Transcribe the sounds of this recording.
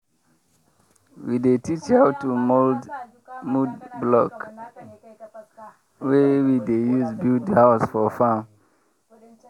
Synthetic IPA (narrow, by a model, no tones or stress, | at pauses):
widetit͡ʃaʊtːumold | mudblɔk | wewidejuzbidhaʊsfɔfãm